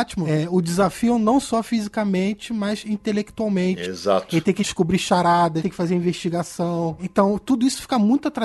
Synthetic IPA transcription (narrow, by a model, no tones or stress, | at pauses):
t͡ʃimʊɛʊd͡ʒizafiʊnɐ̃w̃sɔfizikɐmẽnt͡ʃɪmɐzĩt̪elekt̪uawmẽt͡ʃɪḛza̰t̪elɪt̪ẽj̃kɪʃskubɾiʃaɾad̪ɐẽkɪfazeɾĩveʃt͡ʃiɡasɐ̃w̃ẽt̪ɐ̃w̃t̪ud̪ʊisʊ̥fi̥kɐmũj̃t̪ʊat̪ɾa